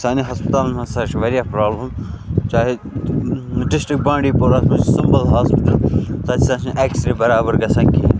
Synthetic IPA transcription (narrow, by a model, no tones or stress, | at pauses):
saːniɦaːspɪt̪aːlmɐ̃sɐɾt͡ʃʰʋɐɾijapɾaːblɐmt͡ʃaːɦe | ɖɪsʈɾɪk̚bãːɳɖiːpoɾaːsmɐ̃t͡ʃsɪmbəlɦaːspɪʈəlsaːt̪ʰisãːsĩʔeːksɾibɐɾaːbəɾɡɐsɐ̃ŋki